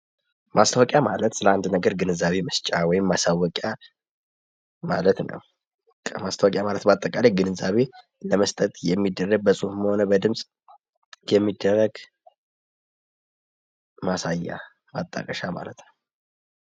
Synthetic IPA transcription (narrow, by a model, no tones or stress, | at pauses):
mast̪ʰawɔkʼjamalət̪sɨləand̪nəɡəɾɡɨnɨzaβe̞mɨst͡ʃʼawɔjɪmːasawːɔkʼja | malət̪nə̰w | kʰəmast̪ʰawkʼjamalət̪bəat̪ʼːəkʼaleɡɨnɨzaβe | ləməst̪ʼət̪ʼjɛmːid̪ːərːəɡ̚bəsʼuhməho̞nəbəd̪ɨmsʼ | jɛmːid̪ːərːəɡ | masajːa̰ | ma̰t̪ʼːa̰kʼəʃama̰lət̪nəw